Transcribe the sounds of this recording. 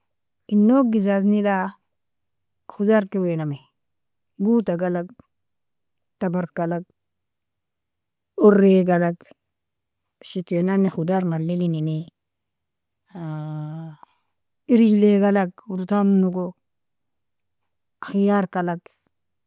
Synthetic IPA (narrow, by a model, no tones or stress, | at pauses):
inːoɡizaznida | xudaɾkewename | ɡuːtaɡalak̚ | tabaɾkalaɡ̚ | oɾːeɡalaɡ | ʃitenanːexudaɾmalilinine | iɾileɡalakuɾtamnuɡo | axijaːɾkalak